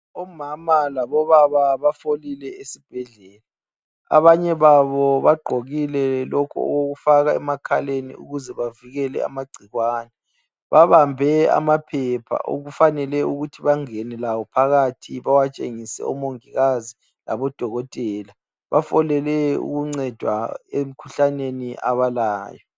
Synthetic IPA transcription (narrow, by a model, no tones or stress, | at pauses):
ɔmamalaβɔβaβaβafolilɛesib̥ʱɛɮɛːla | a̰βaɲɛβaβɔβaɡ͡ǃʱoɣilɛlɔkʰuɔ̰ɣoɣufaɣaɛmakʰalenḭṵɣuzɛβaviɣɛlɛ̰a̰maɡ͡ǀʱiɣwaːnɛ | βaβambʱɛa̰mapʰɛpʰa̰ʔo̰ɣufanɛlɛuɣutʰiβaŋɛnɛlawɔpʰaɣatʰiβawat͡ʃʼeŋisɛ̰ɔmoŋiɣazi | la̰βɔd̥ʱɔɣɔtʼɛːla | βafɔlɛlɛṵɣuŋ͡ǀɛd̥ʱwa̰em̩kʰuɬaneniʔa̰βalaːjɔ